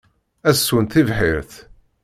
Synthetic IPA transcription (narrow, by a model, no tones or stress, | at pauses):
æsːunt̪ivħiɾθ